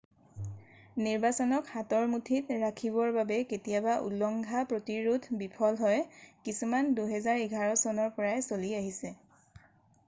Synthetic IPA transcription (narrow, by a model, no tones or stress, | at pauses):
niɹbasɔnɔkhatɔɹmutʰitɹakʰiβɔɹbabɛketijabaʔṵlɔŋɡʱapɹotiɹudʰʱbipʰɔlɦɔjkisumanduɦɛzaɹiɡʱaɹɔsɔnɔɹpɔɹajsoliaɦisɛ